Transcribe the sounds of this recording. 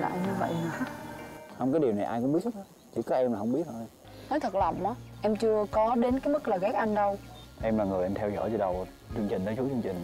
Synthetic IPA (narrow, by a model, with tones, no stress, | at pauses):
la̰ː˧˨jɲɨ˧və̰˧˨jna˨˩˦ | ha˧wŋ͡mkaː˨˦jɗi˨˩əwna˨˩jʔaː˧jkʊ˧˥ŋ͡mɓi˦˥ət̚ʰə˦˥a˨˦ | t͡ɕḭ˧˩kɔ˨˦ʔɛ˧mlaː˨˩hə˧wŋ͡mɓi˦˥ət̚ho˧j | nɔ˨˦jt̪ʰə˨˩k̚lə˨˩p̚ʔɔ˨˦ʔɛ˧mt͡ɕɨ˧əkɔ˨˦ɗe˨˦nkaː˨˦jmə˦˥k̚ləː˨˩ɣɛ˦˥k̚ʔa˧nɗə˧wʔɛ˧mlaː˨˩ŋɨ˨˩əjʔa˧mt̪ʰɛ˧wzɔ̰ː˧˩jt͡ɕə˧ɗə˨˩w | t͡ɕɨ˧əŋt͡ɕï˨˩ŋ̟ɗ̪ə˨˦t͡ɕu˦˥t͡ɕɨ˧ə˧ŋt͡ɕï˨˩ŋ̟